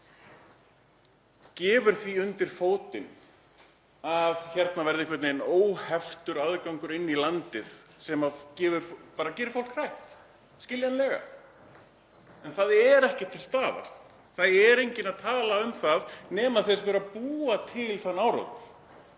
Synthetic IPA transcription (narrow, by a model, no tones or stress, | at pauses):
cɛːvʏɾ̥θviʏnt̪ɪɾ̥foːwt̪ɪn | avçɛɾt̪navɛɾðɪhkʰvɛɾt̪nenoːwhɛft̪ʏɾaðkawŋkʏɾɪnːilant̪ɪðsɛmacɛːvʏɾ̥fpaːɾacɛːɾɪɾfowl̥kʰr̥ajht̪ | scɪljanlɛːɣa̰ | ɛnθaðɛɾɛhcɪt̪ʰɪlst̪aːva̰r̥t̪ | θaðɛɾejɲcɪnaðt̪ʰaːlaʏmθaðnɛːmaðθɛs̬vɛɾapuːat̪ʰɪlθanawɾo̰wt̪l